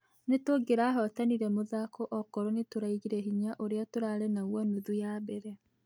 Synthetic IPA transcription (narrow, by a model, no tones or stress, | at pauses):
netoɡeɾaːɦɔtaniɾɛmoðakɔʔɔkɔɾɔnetoɾaiɣiɾɛɦiɲaʔoɾeatoɾaɾɛnaɣwɔnuðujaːβɛɾɛ